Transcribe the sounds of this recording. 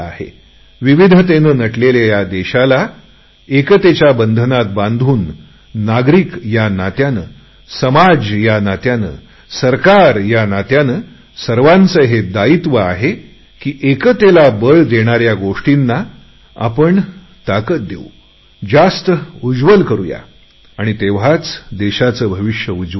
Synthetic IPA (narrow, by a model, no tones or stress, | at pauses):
a̰hḛ | ʋiʋid̪ʱət̪̬enənəʈleljajad̪eɕala | ekət̪et͡ɕjabənd̪ʱənat̪̚bãnd̪ʱuːnː | aɡɾikjanat̪janə̰ː | səmad͡zjanat̪janə̰ | səɾkaɾjanat̪janə | səɾʋãnt͡səɦed̪ait̪ʋəaɦe | kiːʔekət̪elabəɭd̪eɽ̃aɾjaɡoʂʈinːa | a̰pəɳ | t̪akət̪̚d̪ḛu | d͡zast̪əud͡zʋəlkəɾṵja̰ | aɽ̃it̪eʋ̤at͡sd̪eɕat͡səːbʱəʋiʂjəud͡zʋə